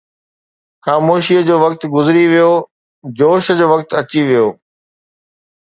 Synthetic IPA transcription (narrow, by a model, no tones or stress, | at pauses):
xaːmoːʃiːəd͡ʑoːʋɐk̚t̪ɡʊzɪɾiʋijo | d͡ʑoːʃəd͡ʑoːʋɐk̚t̪ɐt͡ɕiʋijoː